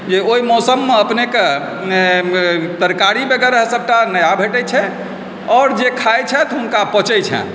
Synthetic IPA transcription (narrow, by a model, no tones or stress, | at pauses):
d͡ʒeoimɔsəmːeəpneke | t̪əɾkaɾibəɡɛɾəɦsəb̚ʈanəjabʱeʈɛt͡ʃʰɛ | ɔːɾd͡ʒekʰajt͡ʃʰɛt̪ɔɦunkapɔt͡ʃɛt͡ʃʰɛ̰̃